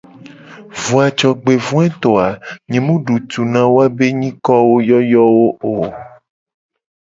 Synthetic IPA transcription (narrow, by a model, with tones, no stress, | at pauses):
vu˨a˨t͡ʃɔ˨ɡ͡be˨vũ˦ɛ̃˦t̪ɔ˨a˨mẽ˨mũ˦ɖu˨t̪u˨nã˨wo˦a˦be˦ɲĩ˦kɔ˦wo˦jɔ˦jɔ˦wo˦o˨